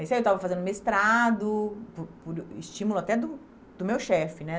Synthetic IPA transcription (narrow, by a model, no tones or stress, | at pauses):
iswaiewt̪avɐfazẽnd̪ʊmewɪst̪ɾad̪ʊpʊɾpʊɾist͡ʃĩmulʊat̪ɛd̪ʊ | d̪ʊmewʃɛfɪnɛ